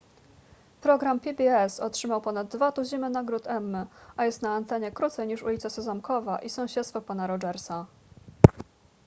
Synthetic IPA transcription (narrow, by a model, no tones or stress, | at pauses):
pɾɔɡɾampʲibʲiɛsɔtʂɘmawpɔnad̪̚ːvat̪uʑimɘnaɡɾut̪ɛmːɘʔajɛst̪naːnt̪ɛɲɛkɾut̪sɛjɲiʂulʲit̪sasɔzamkɔvaʔisɔ̃w̃ɕɛt̪st̪fɔpanaɾɔd͡ʐɛɾsa